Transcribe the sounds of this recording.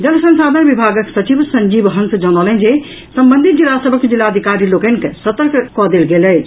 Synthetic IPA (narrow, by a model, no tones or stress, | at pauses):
d͡ʒɐlsɐ̃nsaːd̪ʱənʋibʱaːɡəksɐt͡ʃiʋsɐ̃ɲd͡ʒiːbɦɐ̃nsd͡ʒɐnɔːləĩnd͡ʑe | sɐmbə̃nd̪ʱit̪̚d͡ʒilaːsəbʱəkd͡ʒilaɐd̪ʱikaːɾiloːkənkʰsɐt̪əɾkkɔːd̪eːlɡeːlə